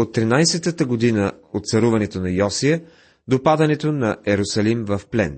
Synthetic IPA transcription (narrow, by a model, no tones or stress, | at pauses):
ot̪ːɾinajsɛt̪ət̪əɡod̪inəot̪t̪sɐɾuvɐnɛt̪onɐjɔsijə | d̪opad̪ɐnɛt̪onɐɛɾosɐlimvɐfplɛn